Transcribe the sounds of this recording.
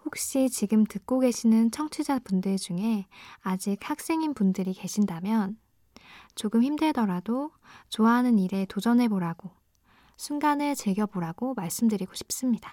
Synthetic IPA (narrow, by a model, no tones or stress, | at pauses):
hok̚ɕ͈it͡ɕiɡɯmtɯk̚k͈oɡe̞ɕʰinɯnt͡ɕʰʌŋt͡ɕʰud͡ʑapundɯɭd͡ʑuŋe̞ad͡ʑik̚hak̚s͈e̞ŋinpundɯɾike̞ɕʰindamjʌn | t͡ɕoɡɯmçimdɯɭdʌɾado | t͡ɕoaɦanɯniɾe̞tod͡ʑʌnɦe̞boɾaɡ̥o | sʰunɡanet͡ɕɯɭɡjʌboɾaɡomaɭs͈ɯmdɯɾiɡoɕʰi̥p̚s͈ɯmɲidḁ